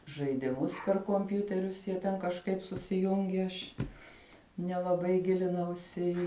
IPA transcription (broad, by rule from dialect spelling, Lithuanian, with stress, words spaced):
ʒɐɪdʲɪˈmʊs pʲɛr koːmʲˈpʲjuːtʲɛrʲʊs ˈjiɛ tʲɛn kɐʃˈkɐɪp sʊsʲɪˈjʊŋʲɡʲɪ ˈɐʃ nʲɛlˠɐˈbɐɪ ˈɡʲɪlʲɪnɐʊsʲɪ ɪ